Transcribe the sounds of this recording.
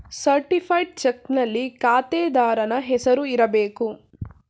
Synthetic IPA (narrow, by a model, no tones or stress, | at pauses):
sɐɾʈipʰɐjɖ̚t͡ʃɛknɐlːikaːt̪ɛːd̪aːɾɐnɐɦɛsɐɾuiɾɐbeːku